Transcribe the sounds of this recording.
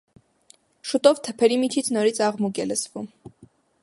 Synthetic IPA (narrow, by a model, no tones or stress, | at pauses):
ʃut̪ʼɔvt̪ʰəpʰɛɾimit͡ʃʰit͡sʰnɔɾit͡sʰɑʁmuɡɛləsvum